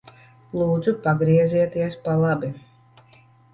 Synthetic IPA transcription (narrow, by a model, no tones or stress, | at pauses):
lˠuːd̪zupaɡɾiɛziɛt̪iɛspalˠabi